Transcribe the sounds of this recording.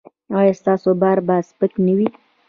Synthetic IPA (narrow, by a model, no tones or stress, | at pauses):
ajɑst̪ɑsobɑɾbɑspəknəwi